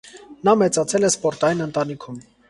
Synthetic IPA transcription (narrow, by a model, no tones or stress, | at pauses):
nɑmɛt͡sɑt͡sʰɛlɛspɔɾt̪ɑjinənt̪ɑnikʰum